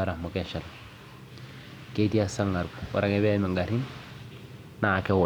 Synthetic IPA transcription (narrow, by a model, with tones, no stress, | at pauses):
aɾa˨mo˨keʃa˨l | ke˦tia˦sa˦ŋːa˨ɾkṵ˦ɾa˦ŋeβe˦mi˨ŋɡa˨ɾi˦n | na˨ke˦w